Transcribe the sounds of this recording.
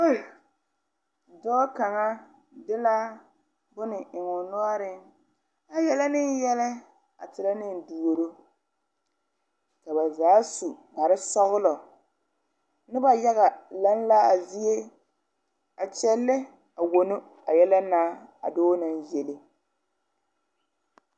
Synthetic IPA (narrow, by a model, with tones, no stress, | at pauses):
o˦˨ | dɔː˦ka˨ŋa˦ | dɪ˦la˦ | bʊ˦nɪ˨ʔɪ˨ŋʊ˨nɔ˦a˦ɾɪ˦ŋ | a˨jɛ˦la˦nɪ˦n˦jɛ˦lɪ˦ | a̰˨tɪ˨la˦nɪ˦n˨du˨o˨ɾo˦ | ka˨ba˨zaː˨˦su˨ba˨ɾɪ˦sɔ˦ɣʊ˦lɔ˨ | nɪ˦ba˨ja˦ɣa˨la˦n˦la˦a˨zi˦je˦ | a˨t͡ʃɛ˦lːɪ˦ | a˨wo˨no˦ | a˨jɛ˦la˦naː˦a̰˨doː˦na˦nje˨lɪ˦